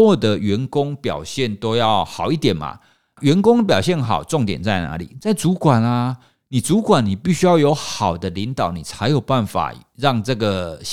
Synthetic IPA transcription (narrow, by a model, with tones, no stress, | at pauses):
wɔ˥˩d̪ə˨˦ɥɛ˨˧˥nkʊ˦ŋpjɑ̰˨˩ʊɕjɛ˥˨nt̪o˥ʊjɑ˥˩ʊxɑ˨˩ʊi˥˩t̪jɛ˨˩nma̰˨˩ | ɥɛ˧˦nkʊ˥ŋp̬jɑ˨˩ʊɕjɛ˥˩nxɑ˨˩ʊt͡so˥˩ŋt̪jɛ̰˨˩nt͡sa˥˩ɪna̰˧˦lḭ˨˩t͡sa˥˩ɪt͡su˨˥kwa˨˩na˦ | ni˨˩t͡su˨˥kwa˨˩ni˨˩pi˥˧˩ɕy˥jɑ˥˩ʊjo˧˥ʊxɑ˨˩ʊd̪ə˦li˧˦nt̪ɑ˨˩˦ʊni˨˩t͡sʰa˧˥ɪjo˨˩ʊpa˥˩nfa̰˨˩ɻɑ˥˧ŋt͡sɤ˥˩ɡə˩